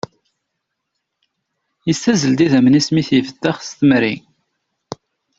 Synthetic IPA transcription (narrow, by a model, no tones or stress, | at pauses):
jəsːæzəld̪iðæmənismiθjəfəd̪ːæχst̪məɾi